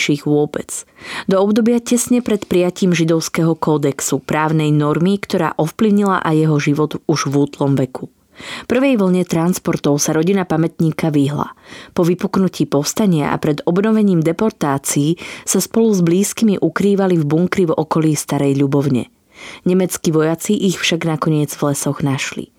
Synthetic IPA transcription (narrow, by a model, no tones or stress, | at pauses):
ʃiːɣʋʊɔbɛt͡sd̪ɔɔbd̪ɔbɪacɛsɲɛpɾɛt̪pɾijaciːmʒid̪ɔʊskɛɦɔkɔd̪ɛksupɾaːʊnɛjnɔɾmikt̪ɔɾa̰ːʔɔfpliʊɲila̰ʔajɛɦɔʒiʋɔd̪uʒʋuːt̪lɔmʋɛkʰu | fpr̩ʋɛjʋl̩ɲɛt̪ɾanspɔɾt̪ɔʊsaɾɔɟinapamɛt̪ɲiːkaʋiɦla̰pɔʋipuknuciːpɔst̪aɲɪa̰ʔa̰pɾɛd̪ɔbnɔʋɛɲiːmd̪ɛpɔɾt̪aːt͡siːsaspɔluzbliːskimiʔukɾiːʋalivbuŋkɾivɔ̰kɔliːst̪aɾɛjʎubɔʊɲɛ̰ | ɲɛmɛt͡skiʋɔjat͡siʔixfʃaɡnakɔɲɪɛd͡zvlɛsɔɣnaʃlḭ